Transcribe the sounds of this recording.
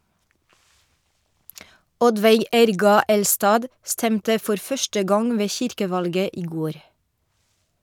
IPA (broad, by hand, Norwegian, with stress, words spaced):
ˈɔdʋæɪ ˈɛɾɡɑ ˈɛlstɑːd ˈstɛmtə ˈfɔɾ ˈfœʃtə ˈɡɑŋ ˈʋeː ˈçɪɾkəˌʋɑlɡə ˈiː ˈɡoːɾ